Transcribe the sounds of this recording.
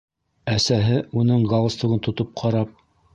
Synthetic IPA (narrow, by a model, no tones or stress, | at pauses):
æsæɦɘunɤɴɡɑlˠɤst̪ŭʁɤnt̪ŏt̪op̚qʰɑɾɑp̚